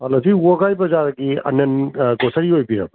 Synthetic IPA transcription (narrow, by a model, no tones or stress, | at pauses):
ɐlɐsiwɔɡajbɐzaɾɡiɐ̰nɐnɡɔsɐɾiɦojbiɾa̰b